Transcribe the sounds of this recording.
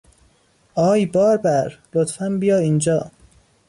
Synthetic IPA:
ɒːjbɒːɾbæɾlot̪fæmbijɒːind͡ʒɒː

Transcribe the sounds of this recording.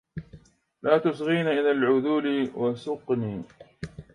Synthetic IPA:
laːt̪ʊsɣiːnaʔɪlalʕʊðuːlɪwasʊqniː

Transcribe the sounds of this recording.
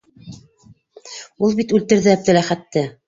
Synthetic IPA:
ulˠbit̪ʉlt̪ɘ̆ɾðɘæb̚d̪ɘ̆læχæt̪ːɘ

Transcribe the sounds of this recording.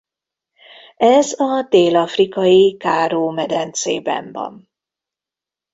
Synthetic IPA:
ɛzɒd̪eːlɒfrikɒjikaːɾoːmɛd̪ɛnt̪seːbɛ̰mvɒ̰n

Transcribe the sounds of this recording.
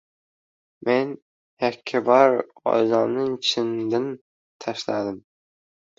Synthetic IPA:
men | hækʲʰːɪbɑɾɒ̰jzɑnnɨŋt͡ʃʰɪnd̪ɪn | t̪ʰæʃlæd̪ɪm

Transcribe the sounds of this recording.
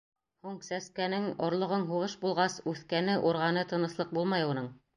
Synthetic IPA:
huɴsæskænɘŋŏɾlˠŏʁɤɴɦuʁɤʃbulˠʁɑsʉθkænɘʔuɾʁɑnɤt̪ɤ̆nɤ̆slˠɤq̚bulˠmɑjunɤɴ

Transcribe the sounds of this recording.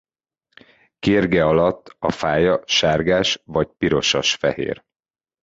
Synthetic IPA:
keːrɡɛɒlɒt̪ːɒfaːjɒʃaːrɡaːʃvɒcpiɾo̞ʃɒ̰ʃfɛ̰hḛːr

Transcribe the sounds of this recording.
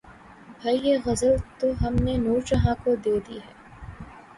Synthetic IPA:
bʱɐieɣɐzəlt̪oɦɐmnenuːɾt͡ʃɐɦãkod̪eːd̪iɦɛː

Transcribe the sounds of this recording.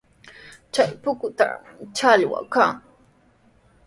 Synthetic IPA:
t͡ʃajpʊkʊt̪a̰t͡ʃaʎwa̰kaŋ

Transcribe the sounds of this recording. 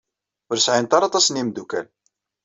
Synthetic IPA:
ʊɾsʕint̪ɑɾˤɑt̪ˤɑsnimd̪ukæl

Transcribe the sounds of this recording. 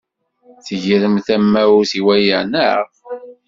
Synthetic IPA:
θəʝɾəmθæmːæwθiwæjəʕnə̰

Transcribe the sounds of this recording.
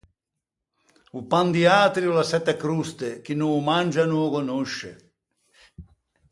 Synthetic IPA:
upand̪iaːt̪ɾiulasɛt̪ːakɾust̪ek̟inuːmand͡ʒanuːkonuʃːḛ

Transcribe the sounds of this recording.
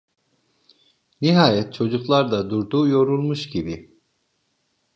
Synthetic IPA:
niɦaːjɛt̪̚t͡ʃʰo̞d͡ʒuklˠaɾd̪ad̪uɾd̪uːjo̞ɾulˠmuʃɟibi

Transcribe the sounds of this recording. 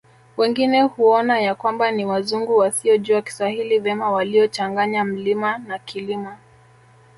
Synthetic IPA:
wɛŋɡinɛhuɔnajakwambaniwazuŋɡuwasiɔʄuwaki̥swahilivɛmawaliɔt͡ʃaŋɡaɲam̩limanakilima

